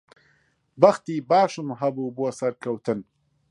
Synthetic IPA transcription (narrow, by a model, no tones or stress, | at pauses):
baxt̪ibɑːʃumɦabubuɐsɐɾkɐwt̪ɨn